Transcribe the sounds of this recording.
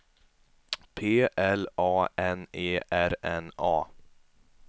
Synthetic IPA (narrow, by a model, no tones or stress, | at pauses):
pʰeːʔɛlɑːɛneːʔæɾɛ̰nɑː